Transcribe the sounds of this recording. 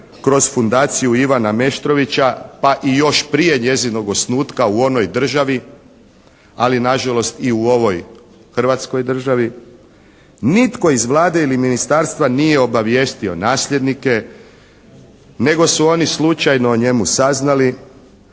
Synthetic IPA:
kɾo̞sfund̪aːt̪sijuiʋaname̞ʃt̪ɾo̞ʋit͡ɕapaʔijo̞ʃpɾije̞ɲe̞zino̞ɡo̞snuːt̪kauo̞no̞jd̪r̩ʒaʋi | alinaʒalo̞st̪iuo̞ʋo̞j | xr̩ʋat̪sko̞jd̪r̩ʒaʋi | nit̪ko̞izʋlˠaːd̪e̞iliminist̪aɾst̪ʋanije̞o̞baʋje̞ːst̪io̞̰naːsʎʲe̞d̪nike̞ | ne̞ɡo̞suo̞nislˠut͡ʃajno̞ːɲe̞musaznali

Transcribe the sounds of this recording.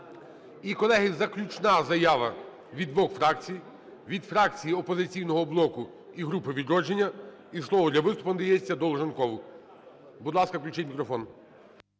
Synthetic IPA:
ikɔlˠɛɦɪzɐklʲut͡ʃnɑzɐjɑʋɐ | ʋʲid̪ʋɔxfɾɑk̚t͡sʲij | ʋʲid̪fɾɑkt͡sʲijiɔpɔzɪt͡sʲijnɔɦɔblˠɔkʊ | iɦɾupɪʋʲid̪ɾɔd͡ʒenʲːɐ | islˠɔʋɔd̪lʲɐʋɪst̪ʊ̥pɐnd̪ɐjɛst͡sʲːɐd̪ɔlˠʒɐnkɔʋʊ | bud̪lˠɑskɐklʲut͡ʃɪtʲmʲikɾɔfɔn

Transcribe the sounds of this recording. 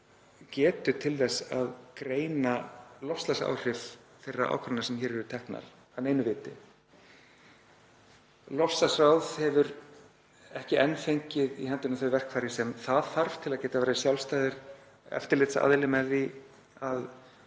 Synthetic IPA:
cɛːt̪ʏt̪ʰɪlθɛsːaðkɾeːjnalɔfst̪lasa̰wr̥ɪf | θejrːa̰ʔa̰ːwkʰɾɔnaɾsɛmçɛːɾɛɾʏt̪ʰɛhkna̰ɾ̥ | aneːjnʏvɪːt̪ɪ̰ | lɔfslasawðhɛvʏɾ | ɛhcɪʔɛnfejɲcɪðihɛnt̪ɪnaθœjvɛr̥kʰfaːɾɪsɛmθaðθaɾv̥t̪ʰɪlaðcɛːt̪avɛːɾɪsjawlst̪aːjðɪɾ̥ | ɛ̰ft̪ɪɾlɪt̪sa̰ðlɪmɛði | að

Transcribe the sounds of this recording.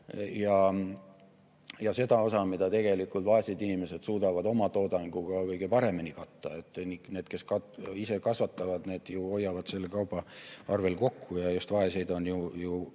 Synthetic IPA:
jɑ | jɑse̞d̪̥ɑo̞sɑmid̪ɑt̪e̞ɡ̥e̞likːˑult̪vɑe̞sid̪inime̞sed̪̥suːd̪ɑvɑd̪o̞mɑt̪o̞ːd̪ɑŋɡ̥uɡ̥ɑkɤjɡepɑɾe̞minikɑt̪ːɑe̞t̪ːˑnine̞ːd̪̥ke̞skɑtise̞kɑsvɑt̪ːɑvɑd̪̥ne̞ːd̪̥juojːɑvɑd̪̥se̞lːekɑwbˑɑɑrve̞lko̞kʰːujɑjust̪vɑese̞jd̪o̞njuju

